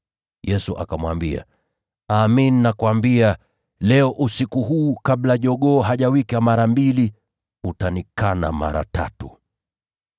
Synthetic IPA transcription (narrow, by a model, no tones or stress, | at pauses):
jɛsuʔa̰kamwambia̰ | aːmininakwambia | lɛɔʔusikuɦuːkaɓlaʄɔɠɔːɦaʄawikamaɾambili | utanikana̰ma̰ɾa̰ta̰tu